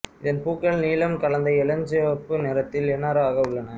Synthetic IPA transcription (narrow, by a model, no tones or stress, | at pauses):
ɪðɐnpuːkːɐɭniːlɐmkɐɭɐnd̪ɐɪɛlɐɲd͡ʒɯʋɐpːɯnɛɾɐt̪ːɪlɛnːaːɾɐaːɣɐʊɭːɐnɐ